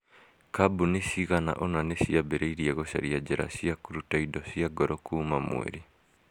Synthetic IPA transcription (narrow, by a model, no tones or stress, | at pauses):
kabunesiɣana̰ʔɔnanesiabeɾeiɾiɛɣɔɕa̰ɾiad͡ʒeɾa̰siakuɾutaidɔsiaɡɔɾɔkuːmamw̰ḛɾi